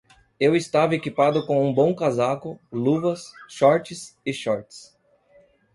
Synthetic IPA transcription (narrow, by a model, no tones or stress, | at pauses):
ewɪst̪avɐekipad̪ʊkõũbõw̃kazakʊluvɐsʃɔɾt͡ʃɪsɪʃɔɾt͡ʃɪ̥s